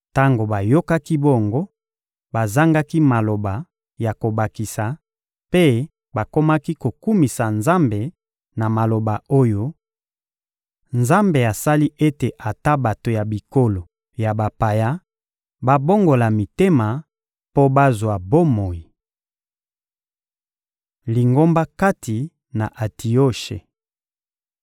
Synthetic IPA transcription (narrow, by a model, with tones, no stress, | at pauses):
ta˦ŋɡo˨ba˨jo˦ka˦ki˦bo˦ŋɡo˦ | ba˨za˦ŋɡa˦ki˦ma˨lo˨ba˨ | ja˨ko˨ba˨ki˨sa˨ | pe˦ | ba˨ko˦ma˦ki˦ko˨ku˦mi˨sa˨nza˦mbe˨ | na˨ma˨lo˨ba˨o˦jo˦ | nza˦mbe˨a˨sa˦li˦ʔe˦te˨ʔa˨ta˦ba˨to˨ja˨bi˨ko˦lo˨ | ja˨ba˨pa˨ja˦ | ba˦bo˦ŋɡo˨la˨mi˨te˦ma˨ | po˦ba˦zwa˨bo˦mo˨ji˨ | li˨ŋɡo˦mba˦ka˦ti˨ | na˨ʔa˨tʰi˨o˦ʃḛ˨